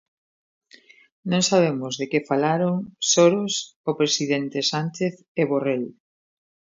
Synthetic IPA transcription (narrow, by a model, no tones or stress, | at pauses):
nõŋsaβemʊzðekefalaɾoŋsoɾosopɾesiðent̪esant͡ʃeθ | eβorel